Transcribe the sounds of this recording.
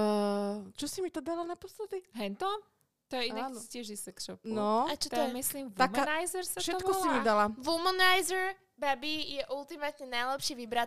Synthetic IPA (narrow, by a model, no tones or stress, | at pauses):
t͡ʃɔsimit̪ɔd̪alanapɔslɛd̪iɦɛnt̪ɔ | t̪ɔjɛiaiscɪɛʒisɛkʃɔpknɔat͡ʃɔt̪ɛmisliːmʋ̪amanajzɛɾsatʃɛtɔkɔsimid̪alaʋumɔnajzɛɾ | babijɛʔult̪imat̪ɲɛnajlɛpʃiʋibɾat̪